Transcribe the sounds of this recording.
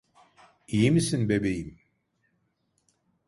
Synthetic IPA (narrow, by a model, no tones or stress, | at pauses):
ijimisinbebejim